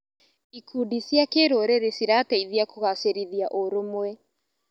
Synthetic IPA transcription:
ikʰuːdisjakeɾoɾeɾesiɾataiðiakoɣaseɾiðiaʔoɾomwɛ

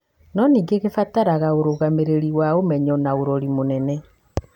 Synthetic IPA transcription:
nɔniːɡeɣefataɾaɣaoɾoɣameɾeɾiwaomɛɲɔnaoɾɔɾimonɛnɛ

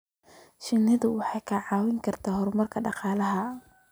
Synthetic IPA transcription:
ʃɪnɪðʊwɑħɑjkʰɐʕɑːwɪŋkʰɐrt̪ʰaːɦɔɾmɐrkʰɐɖɑqɑːlɐɦɐ

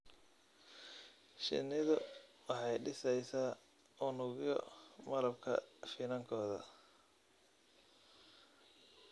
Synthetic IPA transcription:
ʃɪ̰nɪðʊwɑħɑjɖɪsɛjsaː | ʊnʊɣɪjɔmɐlɐbkʰɐ̰finɐŋkʰɔːðɐ̰

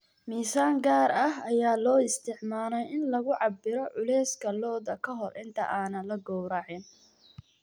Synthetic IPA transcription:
miːsaːŋɡaːɾɐɦɐjaːlɔːɪst̪ʰɪʕmaːlɛjɪnlɐɣʊʕɑbɪɾɔʕʊlɛːskʰɐlɔːðɐkʰɐɦɔlʔɪnt̪ʰɐ̰ʔaːnɐlɐɡɔwɾaːʕɪn

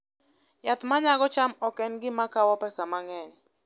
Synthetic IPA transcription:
jat̪maɲaɡɔt͡ʃamɔkɛnɡɪmakawɔpɛsamaŋɛɲ

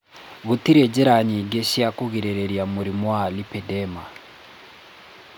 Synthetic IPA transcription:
ɣutiɾɛd͡ʒɛɾaɲiɡɛʃiakuɣiɾɛɾɛɾjamuɾimwalipɛdɛma

